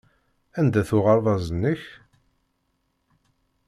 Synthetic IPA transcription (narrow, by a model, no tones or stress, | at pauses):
ænd̪æθʊʁɑɾðˤɑzənːəç